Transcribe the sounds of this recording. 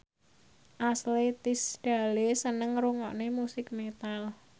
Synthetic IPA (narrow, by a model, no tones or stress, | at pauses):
ʔaslet̪ɪsd̪̥a̤lesənəŋɾuŋɔʔnemusɪk̚met̪al